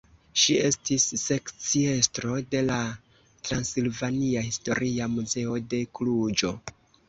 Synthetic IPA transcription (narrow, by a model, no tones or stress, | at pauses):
ʃie̞stisːe̞kt͡sie̞stɾo̞de̞la | tɾansilvaniahisto̞ɾʔiamuze̞o̞de̞klud͡ʒo̞